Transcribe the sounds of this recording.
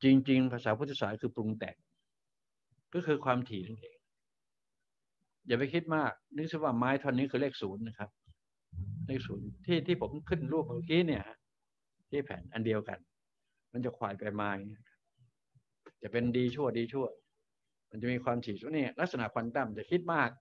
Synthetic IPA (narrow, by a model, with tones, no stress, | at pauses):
t͡ɕi˧ŋt͡ɕi˧ŋpʰaː˧saː˩˦pʰːt̪ʰːsaː˩˦kʰɯː˧pu˧ŋt̪ɛ̰˨˩ŋ̚ | kɔː˥˩kʰɯː˧kʰwaː˧mt̪ʰiː˨˩˦na˧˩nʔeː˧ŋ | jaː˨˩p̬a˧jkʰi˦˥t̪̚maː˥˩k̚nɯ˦˥k̚sʰi˧˥˩waː˥˩maː˦˥jt̪ʰɔ˧nːiː˦˥kʰɯː˧leː˥˩k̚suː˩˦nːa˦˥kʰa˦˥p̚ | leː˥˩k̚suː˩˦nt̪ʰiː˥˩t̪ʰiː˥˩pʰo˩˦mkʰɯ˥˩nɾuː˥˩p̚ma˧˩kiː˦˥ni˥˩ɐha˦˥ʔ | t̪ʰiː˥˩pʰɛ̰ː˩˦nʔa˧ndi˧əwka̰˧n | ma˧nt͡ɕa˨˩kʰwa̰ː˨˩jpa˧jmaː˧˥ji˦˥˧kʰa˦˥p̚ | t͡ɕɛ˨˩pe˧ndiː˧t͡ɕʰu˥˩ɐdiː˧t͡ɕʰu˥˩ɐ | ma˧nt͡ɕa˨˩ʔmiː˧kʰwaː˧mt̪ʰiː˨˩suː˨˦nːiː˧˩˨la˦˥k̚sa˧na˨ʔkʰwa˧nt̪a˥˩mt͡ɕa˨˩kʰi˦˥t̪̚maː˥˩k̚